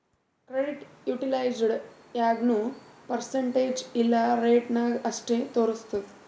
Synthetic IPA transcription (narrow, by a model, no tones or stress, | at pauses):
kɾeɖiʈjuːʈilajd͡ʒɖ | jaːɡnupɐɾseɳʈeːd͡ʒilːɐɾeːʈnaːɡɐʂʈeːt̪oːɾust̪ɐd̪